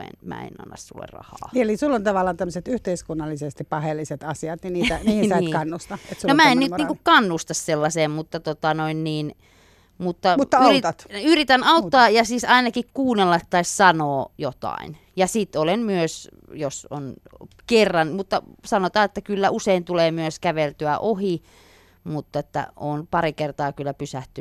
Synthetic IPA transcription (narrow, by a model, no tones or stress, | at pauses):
ḛnmæ̰ḛnɑ̰nːɑ̰ssṵlːḛrrɑ̰hɑ̰ːelisulːont̪ɑʋɑlːɑnt̪æmːəset̪yht̪eiskunːɑlːisest̪ippɑhelːiset̪ɑsiɑt̪niniːt̪æniːhsɑikɑnːust̪ɑet̪sunomæennyniŋkukkɑnːust̪ɑsselːɑseːmmut̪ːɑt̪ot̪ɑnoinniːn | mut̪ːɑmuːɑyrit̪ɑt̪yrit̪ænɑut̪ːɑːjɑsiːsɑinɑkikkuːnːelːɑt̪ːɑissɑnoːjot̪ɑ̰in | jɑsit̪olenmyøs | joso̰n | kerːɑnmut̪ːɑsɑnot̪ɑːet̪ːækylːæʔuseint̪uleːmyøskæʋelt̪yæʔohi | mut̪ːet̪ːæ̰oːnpɑrikert̪ɑːkylːæpysæht̪y